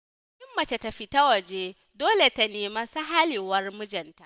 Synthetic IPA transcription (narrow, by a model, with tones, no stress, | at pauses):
ʔɪ˦mːɐ˨t͡ʃe˨tɐ˨ɸi˦ta˦wɐ˨d͡ʒeː˦ | doː˦le˨ta˨neː˨ma˦sɐ˦ɦa˦liː˨wɐ˦rmʊ˦d͡ʒɐ˨nta˨ʔ